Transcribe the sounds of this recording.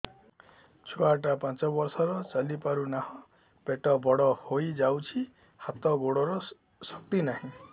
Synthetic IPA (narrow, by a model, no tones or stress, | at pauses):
t͡ʃʰɔaʈapãt͡ʃɔbɔɾsɔɾɔt͡ʃalipaɾunahɔ̃ | peʈɔbɔɽɔhojd͡ʒawt͡ʃʰi | hat̪ɔɡoɽɔɾɔ | sɔk̚t̪inaɦĩ